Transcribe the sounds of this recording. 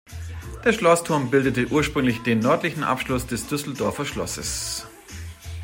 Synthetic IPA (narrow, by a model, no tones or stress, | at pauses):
d̥eːɐʃlɔstʰʊɐmbɪldətəʔuːɐʃpʁ̥ʏŋlɪçd̥eːnːœɐtlɪçn̩ʔa̰pʃlʊsd̥ɛsd̥ʏsl̩dɔɐfɐʃlɔ̰sə̰s